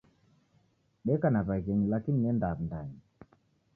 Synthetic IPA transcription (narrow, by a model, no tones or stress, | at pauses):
ɓɛkanaβaɣɛɲilakiniɛndam̩ndaɲi